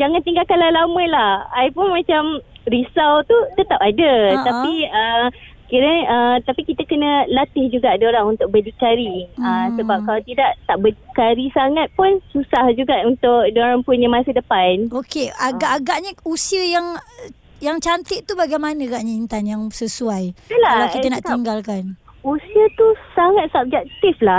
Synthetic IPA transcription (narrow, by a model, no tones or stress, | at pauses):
d͡ʒaŋant̪iŋɡalkanlalamə̃lahajpʊnmat͡ʃamɾisawt̪ut̪ət̪apadət̪apiə | kiɾəət̪apikit̪akənəlat̪ɪhd͡ʒuɡaʔdoɾaŋunt̪ʊk̚bədikaɾiəsəbap̚kalat̪idaʔt̪aʔbədikaɾisaŋat̪̚pʊnsusahd͡ʒuɡaʔunt̪ʊkdoɾaŋpʊnjamasədəpanokeaɡaʔaɡaʔɲə̃usiəjaŋ | jaŋt͡ʃant̪ɪʔt̪ubaɡajmanə̃ɡaʔɲaint̪anjaŋsəsuajəlaalakianaʔt̪iŋɡalkan | usiət̪usaŋat̪̚sap̚d͡ʒaʔ̚t̪ɪflah